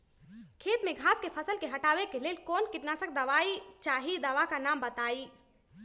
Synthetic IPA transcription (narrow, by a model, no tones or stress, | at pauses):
kʰet̪mẽɡʱãskepʰəsəlkeɦəʈaʋekelelkonkiʈnasək̚d̪əʋait͡ʃaɦid̪əʋakanambət̪ai